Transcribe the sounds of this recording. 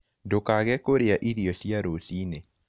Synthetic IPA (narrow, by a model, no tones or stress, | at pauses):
dokaɣɛkoɾeaʔiɾiosjaɾosine